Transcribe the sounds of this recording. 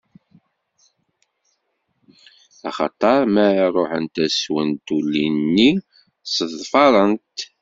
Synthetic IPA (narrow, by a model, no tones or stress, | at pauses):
ɑ̰χɑ̰t̪ˤɑɾˤmæɾarˤoħə̰nt̪æswənt̪ulːinnːi | səðfɑɾˤənt̪